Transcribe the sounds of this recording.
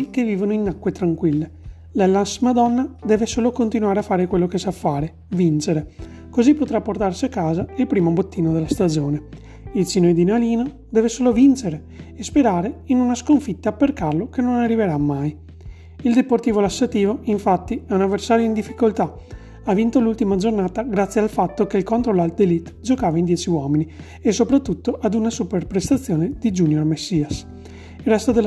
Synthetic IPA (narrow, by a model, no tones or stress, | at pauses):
ik̟evːiːvonoinːakːwet̪ɾaŋkwilːe | lalasːimad̪ɔnːad̪ɛːvesoːlokont̪inwaːɾeafːaːɾekwelːokesafːaːɾe | vint͡ʃeɾe | kozipːot̪ɾapːort̪arsiakːaːzailpɾiːmobot̪ːiːnod̪elːast̪ad͡ʒoːne | ilsinoed̪inaliːno | d̪ɛːvesoːlovint͡ʃeɾe | espeɾaːɾeinunaskoɱfit̪ːapːerkarlokenːonarːiveɾamːaj | ild̪eport̪iːvolasːat̪iːvoiɱfat̪ːiɛunavːersaːɾjoind̪ifːikolt̪a | avint̪olult̪imad͡ʒornaːt̪aɡɾat̪sːjealfat̪ːokeilkont̪ɾolald̪elit̪ːd͡ʒokaːvaind̪jɛːt͡ʃiwɔːmini | esopɾat̪ːut̪ːoʔad̪unasuperpɾest̪at̪sːjoːned̪̥id͡ʒunjormesːiːas | ilrːɛst̪od̪el